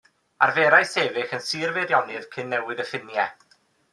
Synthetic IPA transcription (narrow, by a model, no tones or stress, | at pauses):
a̰rveɾajseːvɪxənsiːrvɛɾjɔnɨð̥kʰɨnːɛwɨðəfɪnjɛ